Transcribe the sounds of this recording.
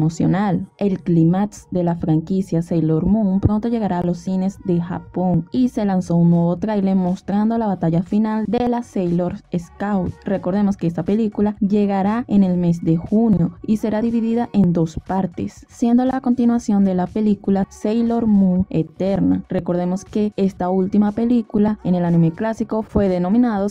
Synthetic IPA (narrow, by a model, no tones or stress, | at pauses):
mosjo̞̰nale̞lklimat̪sd̪e̞lafɾaŋkisjasejlo̞ɾmuŋpɾo̞nt̪o̞ʝe̞ɣaɾaːlo̞sːine̞zd̪e̞xa̰po̞ŋise̞lanso̞unːwe̞βo̞t̪ɾajle̞mo̞st̪ɾand̪o̞laβat̪aʝafinald̪e̞lasejloɾeskawt̪̚re̞ko̞ɾðe̞mo̞skees̬t̪ape̞likulaʝe̞ɣaɾaene̞lme̞s̬d̪e̞xunjo̞ise̞ɾaðiβiðiðaʔe̞nd̪o̞spaɾt̪e̞̰sːje̞nd̪o̞lako̞nt̪inwasjo̞nd̪e̞lape̞likulasejlo̞ɾmue̞t̪e̞ɾnare̞ko̞ɾð̞e̞mo̞ske̞e̞st̪ault̪imape̞likulae̞ne̞lanime̞klasiko̞fwe̞ðe̞no̞mĩnaðo